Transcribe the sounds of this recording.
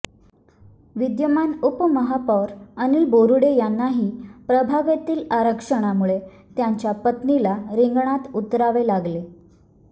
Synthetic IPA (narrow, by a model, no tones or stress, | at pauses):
ʋid̪jəmanupməɦapɔʋɾəniːlboɾuɽejanːaɦiːpɾəbʱaʋat̪iːlaɾəkʂəɽ̃amuɭe | t̪jaɲt͡ɕjapət̪nilaɾiŋɡɳat̪ut̪ɾaʋelaɡle